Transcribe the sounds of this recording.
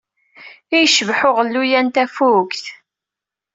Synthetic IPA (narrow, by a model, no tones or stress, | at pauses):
ijʃəvħʊʁəlːujænt̪æfukθ